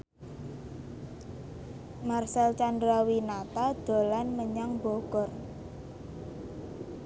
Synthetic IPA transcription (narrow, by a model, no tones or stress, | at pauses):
marsɛlt͡ʃandɾawinat̪ad̪̥o̤lanməɲaŋbɔɡ̥ɔr